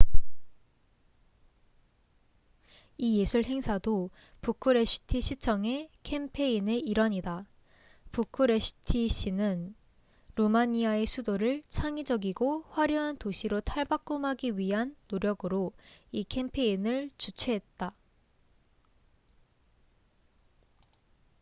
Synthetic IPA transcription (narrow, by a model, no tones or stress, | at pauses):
ije̞sʰuɭɦe̞ŋsʰado | pukʰɯɾe̞sʰɯ̥tʰiɕʰit͡ɕʰʌŋe̞kʰempʰe̞ine̞iɾʌɲida | pukʰɯɾe̞sʰɯ̥tʰiɕ͈ʰinɯn | ɾomaɲiae̞sʰudoɾɯɭt͡ɕʰaŋid͡ʑʌɡiɡoɸwaɾjʌɦantoɕʰiɾotʰaɭbak͈̚umɦaɡiɥiɦanːoɾjʌɡɯɾoikʰe̞mpʰe̞inɯɭt͡ɕut͡ɕʰeɦet̚t͈a